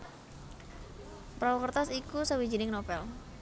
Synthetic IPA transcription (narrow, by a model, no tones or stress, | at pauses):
pɾawɔkərt̪asikusəwid͡ʒinɪŋnopɛl